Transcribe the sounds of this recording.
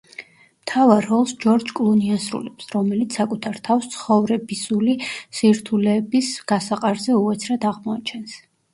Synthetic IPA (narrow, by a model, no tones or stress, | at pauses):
mt̪ʰavaɾːɔlˠsd͡ʒɔɾd͡ʒkʼlˠuniasɾṵlɛpsɾɔmɛlit̪sʰakʼut̪ʰaɾt̪ʰafst̪sʰχɔvɾɛbisulisiɾt̪ʰulɛːbisɡ̥asaqʼaɾzɛuat̪sʰɾad̪aʁmɔat͡ʃʰɛns